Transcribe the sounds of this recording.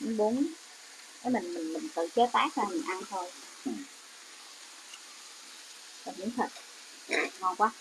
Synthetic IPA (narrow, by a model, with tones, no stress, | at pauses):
mɨ˨˦ɓu˨˦ən | fə˨˦jmï˨˩ŋ̟mï˨˩ŋ̟mï˨˩ŋ̟t̪ɨ̰˧˨t͡ɕe˨˦˥t̪aː˦˥k̚zaː˨˩mi˨˩ŋ̟ʔa˧nt̪ʰo˧j | kə̰˨˩mɨ˧˦ŋt̪ʰə˨˩k̚ | ŋɔ˧˩nkwaː˦